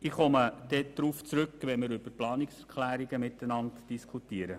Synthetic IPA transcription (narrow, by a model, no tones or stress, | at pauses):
ɪχɔməd̪̥ɛd̪̥ɾuːft͡sɾʏkːʋɛnmɪɾʏb̥əplɑːnɪksɛɾkʰlæːɾiɡəmɪtənɑntd̥iskʰutiəɾə